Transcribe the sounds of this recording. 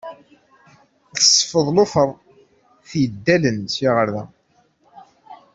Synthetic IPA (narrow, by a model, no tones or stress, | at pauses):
θə̥sˤːfəðˤlʊfəɾˤ | θjəd̪ːælənsiʁəɾðæ